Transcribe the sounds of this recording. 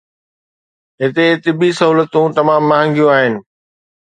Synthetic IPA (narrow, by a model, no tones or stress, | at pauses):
ɦɪt̪et̪ɪbisɐɦuːlət̪ũt̪ɐmaːmːɐɦə̃ŋɡijũaːɦɪnɪ̆